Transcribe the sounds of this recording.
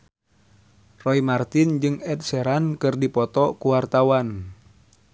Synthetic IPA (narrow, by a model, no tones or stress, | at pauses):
rɔimart̪ind͡ʒɨŋɛt̪̚sɛɾankɨrdipɔt̪ɔkuwart̪awan